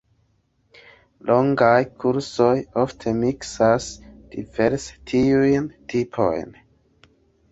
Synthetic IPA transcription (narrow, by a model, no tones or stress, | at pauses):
lʔo̞ŋɡajkʰuɾso̞joftʰe̞miksasd̥ive̞ɾstʰiujntʰipʰo̞̰jn